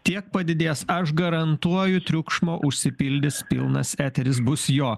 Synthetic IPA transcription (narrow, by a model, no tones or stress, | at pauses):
t̪ʲiɛk̚pɐd̪ʲɪd̪ʲeːsɐʃɡɐɾɐnt̪uɔjʊt̪ʲɾʲʊkʃmoːʔʊʃʲsʲɪpʲɪlʲd̪ʲɪspʲɪ̰lˠnɐsæːt̪ʲɛɾʲɪs̬bʊsjoː